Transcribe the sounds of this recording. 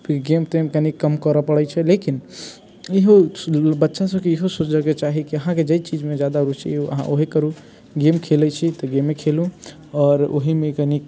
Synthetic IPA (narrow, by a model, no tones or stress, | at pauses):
ɡemt̪emkənikəmkəɾəpəɽɛt͡ʃʰɛlekin | iɦobətːʃasəbkeiɦosot͡ʃd͡ʒəket͡ʃaɦikiəɦãked͡ʒəjt͡ʃid͡ʒmed͡ʒjad̪aɾut͡ʃḭə̰ɦã̰ʔoɦikəɾu | ɡemkʰelɛt͡ʃʰit̪ɔɡemekʰelũ | ɔːɾo̰ɦimekənik